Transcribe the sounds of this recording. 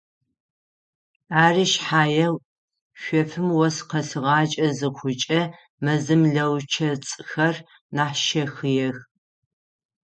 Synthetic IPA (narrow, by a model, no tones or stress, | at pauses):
aːriːʃħaːjɐw | ɕʷɔfɨmwɔsqɐsɨʁɑːt͡ʃʼɐzɨχʷʰʊt͡ʃʼɐ | mɐzɨmɮɐwt͡ʃʰɐt͡sʼxɐr | naːħʃɐxɨjɛx